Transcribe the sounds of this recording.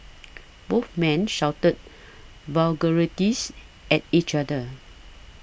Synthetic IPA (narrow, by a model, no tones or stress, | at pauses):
boθmɛ̃nʃawtət̚ | valɡəɹitis | ʔɛt̚it͡ʃadə